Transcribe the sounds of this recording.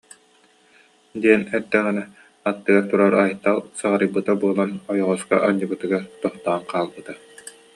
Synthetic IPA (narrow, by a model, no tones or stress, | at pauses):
d̪iɛnɛɾd̪ɛʁinɛ | at̪ːɯɡaɾt̪uɾaɾajt̪ːalˠsaʁaɾɯjbɯt̪abuɔlˠanɔjɔʁɔska̰ʔaɲːɯbɯt̪ɯɡaɾt̪ɔχt̪aːnqʰaːlˠbɯt̪a